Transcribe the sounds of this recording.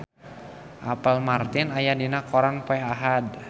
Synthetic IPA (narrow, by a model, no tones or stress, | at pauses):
ʔapəlmart̪ɪnajadinakɔɾaŋpɔɛɦaɦad